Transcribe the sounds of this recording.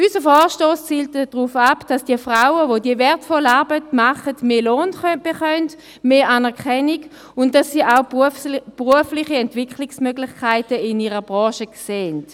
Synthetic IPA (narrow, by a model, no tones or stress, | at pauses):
ysəfɔːʃtoːst͡siːltəd̥ʁuːfapd̥asd̥iɐfʁaʊəvodiəvɛɐtfɔlaːɐbətmaχətmeːloːnb̥eχœnd | meːʔaːnɛɐkʰɛniɡ | ʊnt̚d̥asːiːʔaʊb̥ʁuəflɪχiɛntv̥ɪkχlɪksmøɡlɪχkʰaɪtəɪniːʁəbʁɑ̃ːʃəkseːnt